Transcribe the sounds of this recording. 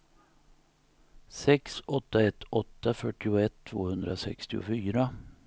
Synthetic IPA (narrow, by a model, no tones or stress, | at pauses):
sɛksɔt̪ːaɛt̪ːɔt̪ːafœʈːɪʊɛt̪ʰːvo̰ːhɵnd̪ɾasɛ̰kst̪ɪʊ̰fyːɾa